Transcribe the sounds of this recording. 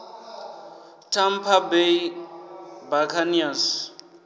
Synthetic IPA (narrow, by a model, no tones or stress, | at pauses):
tʰampʰabei | bakʰanias